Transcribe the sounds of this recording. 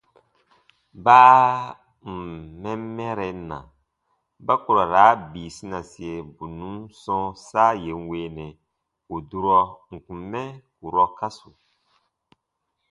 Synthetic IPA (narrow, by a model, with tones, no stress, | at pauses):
baː˦ | m̩˨mːɛ˦m˦mɛ˦ɾɛ˨˦na̰˨ | ba˦ku˨ɾa˨ɾaː˨˦biː˨si˦na˨si˨e˨bu˨nũ˦sɔ̃˦saː˦je˨n˦weː˦nɛ˨ | o˨du˦ɾɔ˦ŋ̩˨kũ˨m˦mɛ˦ku˨ɾɔ˦ka˦su˨